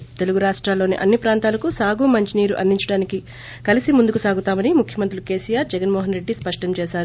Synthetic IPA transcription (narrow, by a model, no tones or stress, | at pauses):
t̪e̞luɡuɾaːʂʈɾaːlːo̞ːnḭʔɐnːipɾaːnt̪aːlɐkusaːɡumɐɲt͡ʃiniːɾuʔɐ̰nd̪iɲt͡ʃɐɽaːniki | kɐlisimund̪ukusaːɡut̪aːmɐnimukʰjɐmɐnt̪ɾiluke̞ːsijaːɾd͡ʒɛɡɐnmɔːɦɐnɾe̞ɖːispɐʂʈɐmt͡ʃɛːʃaːɾu